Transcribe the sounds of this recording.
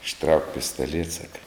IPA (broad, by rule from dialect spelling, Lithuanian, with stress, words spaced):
ɪʃˈtrɐʊk pʲɪstɐˈlʲiɛt ˈsɑːkɐ